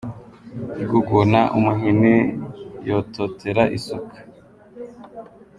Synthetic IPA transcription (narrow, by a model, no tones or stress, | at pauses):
iɡuɡonaʔumuɦinijototʰeɾaʔisukḁ